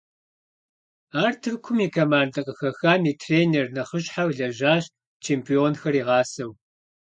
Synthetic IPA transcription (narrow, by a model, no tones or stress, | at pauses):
aːrtʰɨrkʷʰʊmiːkʰɐmaːndɐqʼəxɐxaːmiːtʰreːnernɐχəɕʼħawɮɐʒaːɕ | t͡ʃʰeːmpʰioːnxɐriːʁɑːsɐw